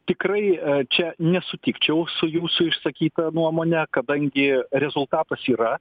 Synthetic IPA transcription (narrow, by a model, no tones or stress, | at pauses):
t̪ʲɪkrɐɪt͡ʃʲɛnʲɛsʊt̪ʲɪkt͡ʃʲɛʊsʊjuːsʊɪʃsɐkʲiːt̪ɐnuɔmoːnʲɛkɐd̪ɐŋʲɡʲɪɾʲɛzʊlˠt̪ɑːt̪ɐsiːɾɐ